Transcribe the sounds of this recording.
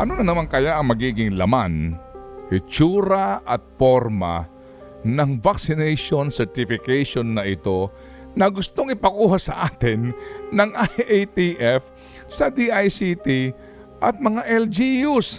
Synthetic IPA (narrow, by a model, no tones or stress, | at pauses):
ʔɐnonɐnɐmankɐjaʔɐŋmɐɡiːɡɪŋlɐmanʔɪt͡ʃuːɾɐʔɐt̪̚foɾma̰ | nɐŋvaksɪnɛjʃonsɛɹt̪ɪfɪkɛjʃonːɐʔɪt̪o̞ | nɐɡʊst̪oŋɪpɐkuːhasɐʔaːt̪ɪnːɐŋʔajʔejt̪iʔɛf | sɐd̪iʔajsit̪i | ʔɐt̪̚mɐŋaʔɛld͡ʒijus